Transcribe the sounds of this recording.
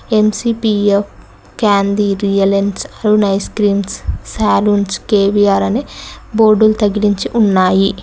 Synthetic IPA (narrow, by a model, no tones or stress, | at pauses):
e̞msiːpief | kaːnd̪iːɾijɐlensɐɾunɐjskɾiːmsːaːluːnskeːbiaːɾɐneboːɾɖulut̪ɐɡiliɲt͡ʃiʔunːaːji